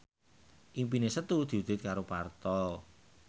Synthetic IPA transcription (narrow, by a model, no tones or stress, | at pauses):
ʔimpinesət̪ud̪̥i̤ud̪̥ɪt̪̚kaɾopart̪ɔl